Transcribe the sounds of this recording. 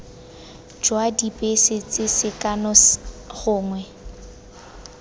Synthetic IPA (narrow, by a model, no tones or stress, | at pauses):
d͡ʒwadipʼesɪt͡sʼɪsɪkʼanɔɣʊːŋwɛ